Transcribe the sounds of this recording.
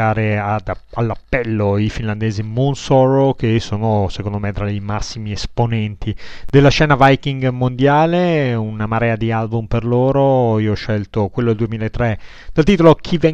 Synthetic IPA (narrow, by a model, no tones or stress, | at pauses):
aːɾead̪alːapːɛlːoifinland̪eːzimunsɔɾokesːoːnosekond̪omet̪ɾaimasːimiesponɛnt̪ʰid̪̥elːaʃɛːnavajkiŋɡmond̪jaːleunamaɾɛːad̪ialbumperloːɾoiːoɔʃːɛlt̪okwelːod̪eld̪uwemilaet̪ːɾe | d̪̥alt̪iːt̪olok̟ʰivɛ